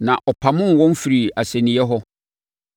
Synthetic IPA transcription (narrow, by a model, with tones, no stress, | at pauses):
nã˨ʔɔ˨pʰa˨mʊ̃˦n˨wɔ̃˦n˦fi˨ɾi˨a˨sɛ̃˨nĩ˨˦ɛ˦ɦɔ˦